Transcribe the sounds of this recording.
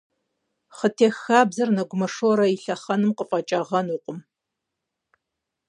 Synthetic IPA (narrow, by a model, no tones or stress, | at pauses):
χətʰeːxaːbzɐrnɐɡʷʊmɐʂoɾɐiɬɐχɐnɨmqəfʼɐt͡ʃʼɐʁɐnuːqʷʼʊm